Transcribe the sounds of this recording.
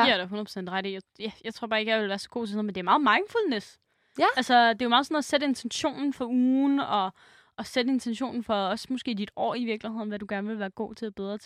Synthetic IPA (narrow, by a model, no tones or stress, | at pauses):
æɾ̥ɑɦonðˠpʰo̥sen̰d̥ʁaɾ̥ijɑjæjɑ̈ɪt͡sʰʁo̝ɐbɑ̈ːe̝ɡ̥jɑʋe̝lʋæːɐsɒ̥̽ɡ̥o̝̰ːt͡sʰesnð̩mend̥eɐmɑ̈ːð̞̩ˠmɑ̈ɪnful̰nes | ælsəd̥e̝jomɑ̈ːðˠsɔn̩ɐæsed̥əe̝nt͡sʰenɕo̝̰ːnn̩fɒ̽uːnɒ̽ː | sed̥əe̝nt͡sʰenɕo̝̰ːnn̩fɒ̽ɒ̽smɔsɡ̥e̝̰ːd̥id̥ɒ̰ːiʋiɐɡ̥lihe̝ð̰ˠn̩ʋæd̥uɡ̥æɐnəʋe̝lʋæːɐɡ̥o̝̰ːt͡sʰe̝æb̥eð̞ˠʁɐt͡sʰ